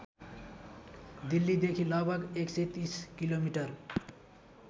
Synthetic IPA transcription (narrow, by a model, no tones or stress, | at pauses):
d̪ilːid̪ekʰilɔbʱaɡekset̪iskilomiʈaɾ